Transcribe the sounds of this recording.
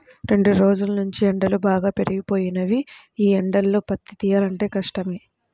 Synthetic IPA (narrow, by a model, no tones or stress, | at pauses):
ɾeɳɖuɾo̞ːd͡ʒulɐnuɲt͡ʃiɛɳɖɐlubaːɡaːpe̞ɾiɡipo̞ːjinɐʋi | iːɛɳɖɐlːoːpɐt̪ːit̪iːjaːlɐɳʈe̞ːkɐʂʈɐmi